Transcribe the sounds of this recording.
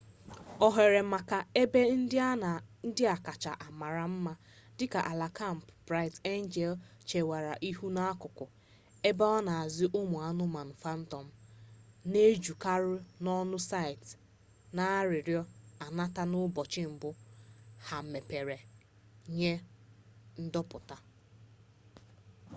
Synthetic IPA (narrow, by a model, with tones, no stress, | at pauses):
ɔ˦ɦe˨ɾe˨ma˨ka˨e˦be˦n̩˦˨n̩˦dɪ˦a˨ka˨t͡ʃa˨ʔa˨ma˨ɾa˨m̩˦ma˦ | dɪ˦ka˨ʔa˨la˨ka˦˨m̩˨pbɾa˦ɪ˨te˦n˦d͡ʒɛ˨lt͡ʃe˨wa˨ɾa˨ʔi˦ɦu˦na˦a˦kʊ˨kʊ˨ | e˦ba˦ɔ˦na˨a˨zɪ˦ʔʊ˦mʊ˨a˦nʊ˦ma˨n̩˨fa˦n̩˦tɔ˨m̩˦ | ne˦d͡ʒu˨ka˦ɾʊ˦nɔ˦nʊ˦sa˦˨ɪ˨t | na˦ɾɪ˨ɾjɔ˦a˨na˦ta˦nʊ˦bɔ˨t͡ʃɪ˦m̩˨bʊ˦ha˨m̩˨me˨pe˨ɾe˨ | ɲe˦ | n̩˦dɔ˦pʊ˨ta˨